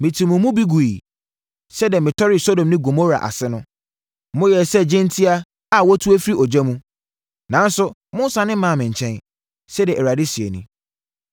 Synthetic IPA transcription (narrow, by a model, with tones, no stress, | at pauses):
mɪ̃˨tʰĩ˨mʊ̃˨mʊ̃˦bi˦ɡu˨i˨ | sɛ˦di˨ɛ˨mɪ̃˨tʰɔ˦ɾɪ˨so˦dõ˨mnɪ̃˦ɡo˨mo˦ɾa̰˨ʔa̰˨sɪ˦nʊ̃˦ | mʊ̃˦jɛ˨sɛ˦d͡ʑɪ̃˦ntʰi˦a˦ | a˨wɔ˦tʰu˦e˦fi˦ɾi˦ʔɔ˨d͡ʑɛ˦mũ˦ | nã˨˦n˦sʊ˦mʊ̃˦sa˨nɪ̃˦mã˦˨mɪ̃˨ɲ̩˨t͡ɕʰɛ̃˦n | sɛ˦diɛ˨ʔɛ˨ɾa˨dɪ˦si˨ḛ˨nṵ̃˦